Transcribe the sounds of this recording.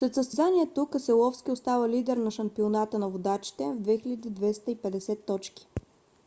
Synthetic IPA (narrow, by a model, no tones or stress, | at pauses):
slɛt̪səsɛzaniɛt̪okəsɛlˠɔfsk̟ʲiost̪avəlid̪ɛɾnɐʃɐmpionat̪ənɐvod̪at͡ʃi̥t̪ɛvd̪vɛxilʲəd̪id̪vɛst̪əipɛd̪ɛsɛt̪ːɔt͡ʃki̥